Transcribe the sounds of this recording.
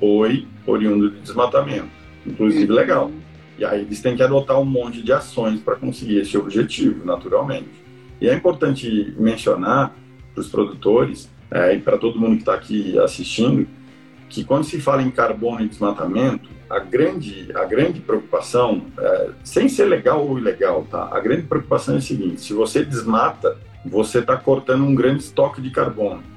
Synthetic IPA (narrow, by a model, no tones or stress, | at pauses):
oj | o̰ɾiũnd̪ʊd͡ʒ̪ɪd͡ʒ̪ɪzmat̪amẽnt̪ʊ̥ | ĩŋkluzivɪleɡaw | ɪa̰ielɪst̪ẽj̃kɪad̪ot̪aɾũmõnt͡ʃɪd͡ʒɪasõj̃spɾɐkõsɪɡiɾest͡ʃɪobʒet͡ʃivʊnat̪uɾawmẽnt͡ʃɪ̥ | ɪɛĩpoɾt̪ɐ̃nt͡ʃɪmẽsio̰naɾ | pɾʊspɾod̪ut̪oɾɪs | ɛɪpɾɐt̪od̪ʊmũnd̪ʊkɪ̥t̪aːkʰia̰sist͡ʃĩnd̪ʊ | kʰɪkwɐ̃nd̪ʊsɪfalɐẽkaɾbõnʊɪd̪ɪzmat̪amẽnt̪ʊ̥ɐ̰ɡɾɐ̃nd͡ʒɪɐ̰ɡɾɐ̃nd͡ʒɪpɾeoku̥pasɐ̃w̃ɛ̰sẽj̃seɾleɡawowileɡawt̪a̰ɐ̰ɡɾɐ̃nd͡ʒɪpɾeokupasɐ̃w̃ɛsɪɡĩnt̪ɪ̥sɪvosed̪ɪzmat̪ɐ | voset̪akoɾt̪ɐ̃nd̪ʊũɡɾɐ̃nd͡ʒ̪ɪst̪ɔkɪd͡ʒɪkaɾbõnʊ